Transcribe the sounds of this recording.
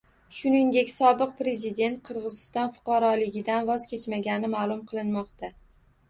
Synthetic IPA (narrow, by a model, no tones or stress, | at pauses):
ʃʊnɪŋd̪e̞kʲsɒbɨq̚pɾe̞zɪd̪e̞nt̪̚qʰɨɾʁɨzɪst̪ɒnfʊ̥qʰɑɾɒlɪɡʲɪd̪anvɒz̥kʲʰe̞t͡ʃmaɡʲanɪmalˠʊmqʰɨlˠɪnmɒqt̪ʰa